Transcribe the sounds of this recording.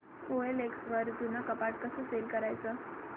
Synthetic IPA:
oeleksʋəɾd͡zunːakəpaʈ̚kəsəselkəɾajt͡sə

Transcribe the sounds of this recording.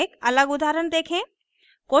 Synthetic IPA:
ekɐləɡʊd̪ʱaːɾənt̪eːkʰẽː | koː

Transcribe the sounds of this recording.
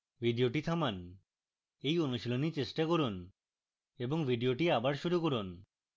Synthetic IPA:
bʱiɖioʈit̪ʰaman | ejonuʃilonit͡ɕesʈakoɾun | eboŋbʱiɖioʈiabaɾʃuɾukoɾun

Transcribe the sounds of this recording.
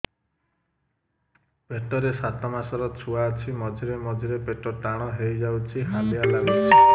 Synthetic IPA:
peʈɔɾesat̪ɔmasɔɾɔt͡ʃʰuaːt͡ʃʰimɔd͡ʒʱiɾemɔd͡ʒʱiɾepeʈɔʈaɽ̃ɔɦejd͡ʒawt͡ʃʰiɦalialame

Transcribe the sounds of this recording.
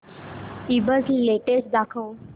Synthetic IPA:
ibəd͡zleʈesʈ̚d̪akʰəw

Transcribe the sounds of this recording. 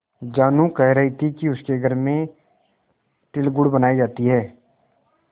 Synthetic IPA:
d͡ʒaːnũkɛɦɾɐɦit̪ʰikiʊskeɡʱɐɾmẽ | ʈɪlɡʊɽbɐnaːid͡ʒaːt̪iɦɛː

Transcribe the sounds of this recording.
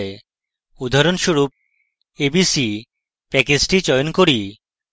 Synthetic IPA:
e | ud̪ʱaɾonʃuɾup̚ | ebisi | pɛkisʈit͡ɕɔjonkoɾi

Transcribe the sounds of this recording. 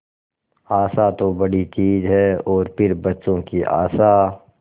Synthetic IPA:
aːsat̪obɐɽit͡ʃiːzɦɛɔːɾpʰɪɾbɐtːʃõkiʔa̰ːsa

